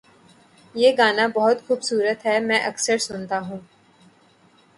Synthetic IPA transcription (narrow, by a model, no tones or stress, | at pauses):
jeːɡaːnabɔɦʊt̪xuːbsuːɾət̪ɦɛmɛ̃ːʔɐksəɾsʊnt̪aɦũː